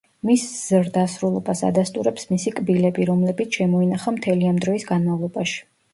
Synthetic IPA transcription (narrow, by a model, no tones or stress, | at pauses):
misz̥ɾd̪asɾulˠɔbasa̰d̪ast̪ʼuɾɛpsmisikʼbilɛbiɾɔmlɛbit̪sʰʃɛmɔinaχamt̪ʰɛliamd̪ɾɔisɡanmavlˠɔbaʃi̥